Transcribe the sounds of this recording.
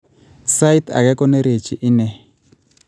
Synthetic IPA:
sa˦i˦t̪ʰa̰˨kɛ˦kɔ˦ne˦ɾe˨t͡ʃi˨ʔi˦nɛ˦˨

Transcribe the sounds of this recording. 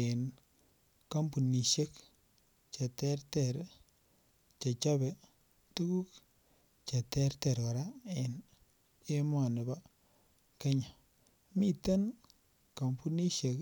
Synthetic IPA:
e˨n | ka˦mpu˨ni˨ʃe˦k | t͡ʃe˨tɛ˦ɾtɛ˨ɾ | t͡ʃe˨t͡ʃa˦be˨ | tu˦ɡu˦k | t͡ʃe˨tɛ˦ɾte˨ɾo˨ɾa˦e˨n | e˦mwa˨nɪ˨ba˦ | ke˦ɲa˨ | mi˦te˦n | ka˨mpu˦ni˦ʃe˨k

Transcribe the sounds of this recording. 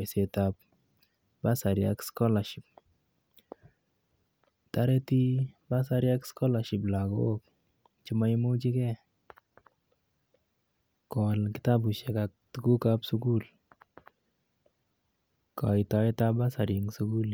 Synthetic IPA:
se˨ta˧p̚ | ba˦sa˨ɾja̰kskɔ˦la˨ʃi˨p̚ | ta˦ɾe˦ti˦ba˦sa˦ɾja˦kskɔ˦la˨ʃi˨pla˨ɡo˦k̚ | t͡ʃi˦ma˦i˦mu˦t͡ʃi˦kɛ˦ | kɔ˨lki˦ta˦bu˨ʃɛ˨ka˧k̚tuku˦ka˦psu˦ku˦l | kɔ̰˨i˨tɔ˧i˦ta˦ba˦sa˨ɾi˨ŋsu˦ku˦l

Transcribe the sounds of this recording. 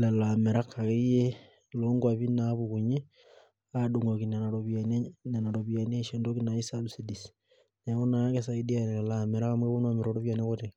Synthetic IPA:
le˨la˨me˨ɾa˦kːa˨ke˦je˦ | lo˦ŋɡwa˨βi˦na˨˦βu˨ku˨ɲe˦ | adu˨ŋɡo˨ki˨ne˨na˨ɾoβan˦ne˨na˨ɾo˨βia˨ne˦ʃe˨ndo˦ki˦na˨i˦sa˦bsi˦di˨s | ne˨˦βo˦na˨˦ke˦s̬a˦i˦di˦a˨ne˨le˨lame˨ɾa˦ka˦mwe˦βo˦nwa˨me˨ɾo˨ɾo˦βja˨ne˦kote˨

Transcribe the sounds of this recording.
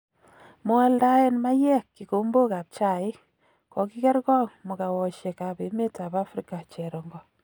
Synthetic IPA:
mo˦ɛ˦lda˦e˦nma˦jɛ˦kːi˨ko˨˦mbo˦ka˨p̚t͡ʃa˨ɪ˦ | kɔ˨ki˦kɛ˦rkɔ˦ŋmo˨ka˨wɔ˨ʃe˨ka˨pe˨˦me˦ta˨pa˦fɾi˦ka˨t͡ʃɛ˨ɾɔ˨ŋɡɔ˨

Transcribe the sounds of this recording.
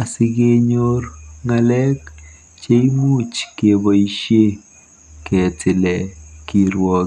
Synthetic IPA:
a˨si˦ɡe˦ɲorŋalɛ˦k | t͡ʃe˦i˦mu˦t͡ʃkebɔiʃje˦ | ke˨tɪ˨lɛ˨ki˨ɾwɔ˦

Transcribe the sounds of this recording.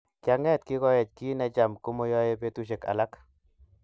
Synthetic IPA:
kja˨ŋɛ˦˨t̪kɪ˦kɔ˦jɛ˨t͡ʃki˦nɛ˦t͡ʃa˨mko˦mo˦jɔ˦je˦pe˦tu˦ʃ̬e˨ka̰˨la˦k

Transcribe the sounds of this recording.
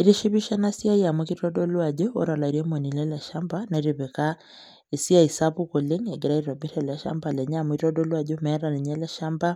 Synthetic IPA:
i˨ɾi˦ʃi˦βi˦ʃa˦na˦si˦a˦ja˨mwi˦ki˦tɔ˦ɗɔ˦lu˦a˨ʄɔ˦ɔ̰˦ɾa˨la˨i˨ɾi˦mɔ˨ni˨lɛ˦la˨ʃa˦mba˦na˨i˨ɾi˨βɛ˨ka˦ | i˨si˦a˦i˨sa˦pu˦kɔ˨le˦ɲɛ˨ɡɛ˨ɾa˦iɾɔ˨bi˦ɾɛla˨ʃa̰˦mba˨lɛ˨ɲa˦mu˨i˦tɔ˦dɔ˦lu˦a˨ʄɔ˦mɛ˦ɾa˨ni˨ɲɛ˦lɛ˦ʃa˦mba˦

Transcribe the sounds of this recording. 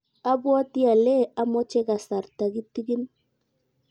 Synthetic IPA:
a˦bwa˦ti˦a˨lɛ˦˨a˦mɔ˦t͡ʃɛ˦ka˨sa˨ɾta˨ɡi˦ti˦ɡi˦n

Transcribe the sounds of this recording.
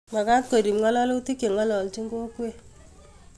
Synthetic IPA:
ma˨ka˦t̚ko˨ɾi˨mŋɔ˦lɔ˦lo˦ti˦ki˨ŋɔ˦lɔ˨lt͡ʃi˦ŋɡo˦kwe˦

